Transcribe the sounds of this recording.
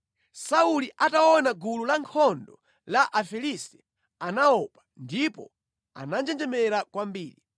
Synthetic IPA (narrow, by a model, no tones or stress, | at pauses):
sauliʔataɔnaɡululaŋkʰɔndɔ | laʔafɛlistɛ̥ | anaɔpḁndipɔ̰ | a̰nand͡ʒɛnd͡ʒɛmɛɾakwambiːɾi